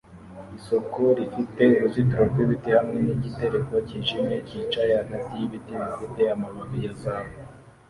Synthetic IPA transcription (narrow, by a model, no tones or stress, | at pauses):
iso̞koɾifite̞uɾuzituɾoɾɡwiβitihamŋe̞niɟite̞ɾe̞ko̞ciːʒimecit͡ʃajehaɡatijiβitiβifite̞jamaβaβijazaːβo